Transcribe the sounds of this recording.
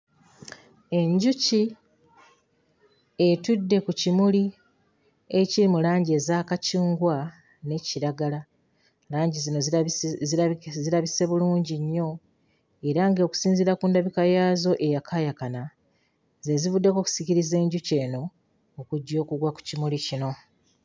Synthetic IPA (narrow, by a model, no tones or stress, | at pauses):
e̞ɲɟuci | etudːe̞kucimuli | e̞ciɾimulaːɲɟie̞ːzaːkaciːŋɡwa | ne̞ciɾaɡala | laːɲɟizino̞ | ziɾaβise̞βuluːɲɟiɲːo̞ | e̞ɾaŋɡeoku̥siːnziɾakuːndaβikajaːzo̞ʔe̞jakʰajakana | ze̞zivudːe̞ko̞ku̥siciɾize̞ːɲɟuce̞ːno̞ː | kuɟːo̞ːkuɡwaku̥cimulicino̞